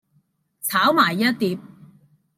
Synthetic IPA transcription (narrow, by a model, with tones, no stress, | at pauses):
t͡sʰaː˨˥wmaː˨˩jːɐ˥t̚t̪iː˨˧p̚